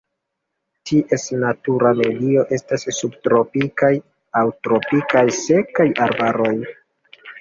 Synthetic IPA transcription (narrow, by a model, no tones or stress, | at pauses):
tʰiʔe̞snatuɾame̞dio̞ʔe̞stasːubtɾo̞pikaj | awtɾo̞pikajse̞kajaɾbaɾo̞j